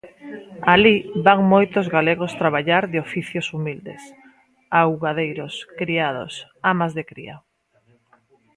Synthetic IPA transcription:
aliβaŋmojt̪ʊzɣaleɣost̪ɾaβaʎaɾðeofiθjosumild̪ḛs | awɣaðejɾoskɾiaðo̰s | amazðekɾḭa̰

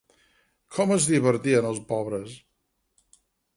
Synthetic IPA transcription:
kʰɔməzðiβəɾt̪iənəlˠspɔβɾəs

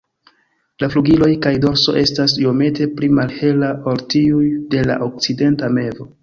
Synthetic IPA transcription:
lafluɡilo̞jkajdo̞ɾso̞̰ʔe̞stasio̞me̞te̞plimalhe̞laʔoltiujde̞la̰ʔok̚t͡side̞ntame̞vo̞

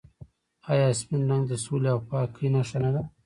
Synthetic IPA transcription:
ɑjɑsminlaŋd̪əsuleawpɑkʰːinaʃanad̪a

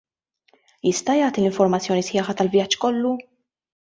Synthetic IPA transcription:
jɪst̪ɐjɐːt̪ilɪɱfɔɾmɐt͡sːjɔːnisħɪːħɐt̪ɐlvjɐt͡ʃːkɔlːu

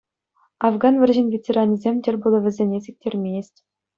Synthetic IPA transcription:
ɑvɡɑnvʲɘ̆rʲʑɘ̆nʲvʲetʲerɑnʲizʲemʲtʲɘ̆rʲbulˠɤ̆ʋʲɘ̆zʲenʲes̬ʲek̚ʲtʲʰerʲmʲeesʲtʲ

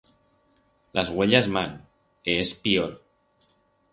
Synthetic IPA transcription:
lʔazɣweʎazman | eespioɾ

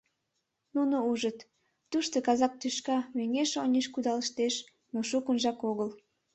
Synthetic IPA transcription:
nunouʒət̪ | t̪uʃt̪okɑzɑk̚t̪yʃkɑmøŋeʃonʲeʃkud̪ɑləʃt̪eʃ | noʃukənʒɑkoɣəl

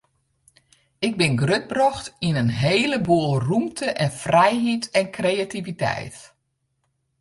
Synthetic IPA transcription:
ɪɡ̚bɪnɡrøt̚brɔxtinənɦeːləbuːəlˠrumtʰəʔɛnfrɛjɦitɛnkrejativitɛ̰jt

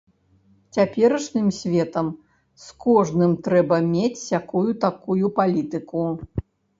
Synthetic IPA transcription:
t͡sʲapʲɛɾɐʂnɨmsʲvʲɛt̪ɐm | skɔʐnɨmt̪ɾɛbɐmʲet͡sʲjakujut̪akujupalʲit̪ɨku

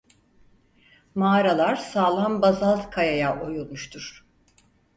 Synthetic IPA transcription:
maːɾalˠaɾ̥saːlˠanbazalˠkʰajajaʔo̞julˠmuʃt̪ʰuɾ̥

